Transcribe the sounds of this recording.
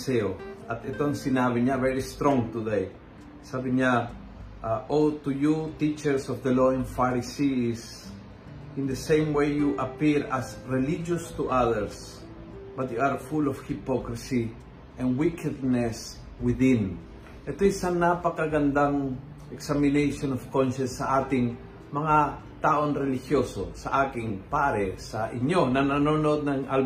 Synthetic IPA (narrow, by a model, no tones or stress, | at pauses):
seoat̪et̪oansinabiɲavɛɹist̪ɾɔ̃ŋt̪ud̪ej | sabiɲa | aʔot̪ujut̪it͡ʃɛɹsɔfd̪əloɛ̃nfaɾisis | ĩnd̪əsẽj̃mwejjuʔapiɾasɹɛlid͡ʒost̪uʔaðəɹs | bat̪juaɾfulɔfhɪpokɾɹɪsi | ʔɛ̃nwikɛd̪̚nɛs | wɪðɪ̃n | ʔɛt̪ojisaŋnapɐkɐɡɐnd̪aŋ | ʔɛksamɪnejʃonɔfkɔ̃nʃɛ̃nsːɐʔaːt̪ɪŋ | mɐŋa | t̪aːʔonɾɛlɪhjoso̰sɐ̰ʔaːkɪŋpaɾɛsɐʔɪɲonɐnononoʔod̪̚nɐŋʔɐl